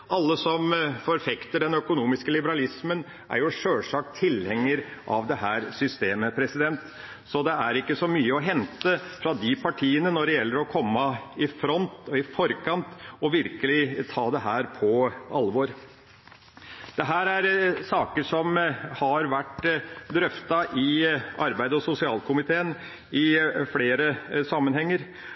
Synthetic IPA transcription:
ʔɑlːəsɔmfɔɾfɛkt̪əɖɛnœkʊnuːmɪskəlɪbəɾɑlɪsmən | ʔæ̰ɾjʊʂøːlʂɑk̚t̪ʰːɪlhɛŋːəɾʔɑʋd̪ɛɦæːɾsʏst̪eːməpʰɾɛsɪd̪ɛnt̪ | sɔd̪ɛæɾɪkːəsɔmyːəɔɦɛnt̪əfɾɑd̪ɪpʰɑʈʰiːənənɔɖɛjɛlːəɾɔkʰɔmːəɪfɾɔnt̪ɔɪfɔɾkʰɑnt̪ɔʋɪɾkəlɪt̪ʰɑːd̪ɛɦæːɾpʰɔɑlʋɔɾ | d̪̥ɛɦæːɾæɾsɑːkəʂɔmhɑɾʋæʈːd̪ɾœft̪ɑʔɪɑɾbæɪd̪əɔsʊsɪɑːlkʰʊmɪt̪ʰeːən | ɪfleːɾəsɑmːənhɛŋːəɾ

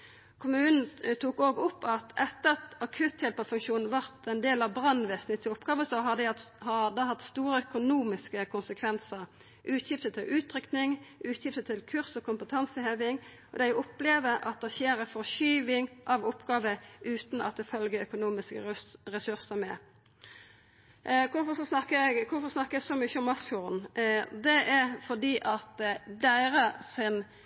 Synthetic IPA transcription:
kʰʊmʉːnn̩t̪ʰuːkoːɡʊpːɑt̪ʰʔɛt̪ːəʁɑt̪ɑkʰʉt̪jɛlpɑfʉŋkʃuːnn̩ʋɑʁt̪ɛnd̪eːlɑʋbʁɑnʋeːsnɪt̪ʰɪʊpɡ̥ɑːʋəsɔɦɑd̪æhɑd̪əhɑt̪st̪uːʁəœkʊnuːmɪskəkʰʊnsəkʰʋɛnsəʁ | ʔʉːt̪ʰjɪft̪ət̪ʰɪlʔʉːt̪ɾʏknɪŋʔʉːt̪jɪft̪ət̪ʰɪlkʰʉʁsɔkʰʊmpət̪ʰɑnsəɪhøːʋɪŋ | ɔd̪æɪʔʊpːleːʋəʔɑ̰t̪̚d̪ɛçeːɾəfɔʃyːʋɪŋʔɑʋʊpːɡɑːʋəʔʉːt̪n̩ɑt̪̚ɛfœlɡəœkʊnuːmɪskəɾɛsʉʁsəmɛ̰ | kʰʊfɔsɔsnɑkəɡkʰʊfɔʁsnɑkːəɛɡsɔmʏçːəɔmɑsfjuʁnd̪ɛʔɛɾfɔʁd̪iːʔɑt̪d̪æɪɾəsɪn

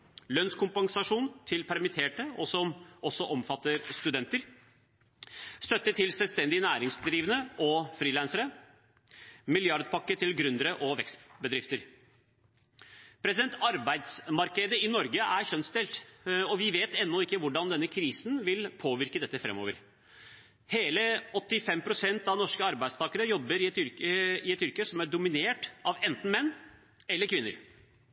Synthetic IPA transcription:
lœnskʊmpɑŋsɑʂuːnt̪ʰɪlpʰæɾmɪt̪ʰeːʈəɔsɔmɔsɔʔɔmfɑt̪ːəɾst̪ʉd̪ɛnt̪əɾ | st̪œt̪ːəʈ̪ʰɪlsɛlʋst̪ɛnd̪ɪnæːɾɪŋsd̪ɾiːʋənəɔfɾiːlænsəɾə | mɪljɑɾd̪̚pʰɑkːət̪ʰɪlɡɾʉnd̪əɾəʔɔʋɛkst̪bəd̪ɾɪft̪əɾ | pʰɾɛsɪd̪ɛnt̪ɑɾbæɪd̪smɑɾkəd̪əɪnɔɾɡəʔæɾçœnsd̪ɛlt̪ɔʋɪʋeːt̪ɛnːɔɪkːəʋʊɖɑnd̪ɛnːəkʰɾiːsn̩ʋɪlpʰoːʋɪɾkəd̪ɛt̪ːəfɾɛ̰mːo̰ːʋə̰ɾ | heːləɔt̪ːɪfɛmpʰɾʊsɛnt̪ɑʋnɔʂkəɑɾbæɪd̪st̪ʰɑːkəɾəjɔbːəɾɪɛt̪ʏɾəɪɛt̪ʏɾkəsɔmæɖʊmɪneːʈɑʋɛnt̪n̩mɛnː | ɛlːəɾkʰʋɪnːəɾ

